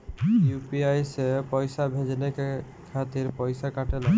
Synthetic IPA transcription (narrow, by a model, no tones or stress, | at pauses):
jupiajsepɔjsabʱed͡ʒneke | kʰat̪iɾpɔjsakaʈela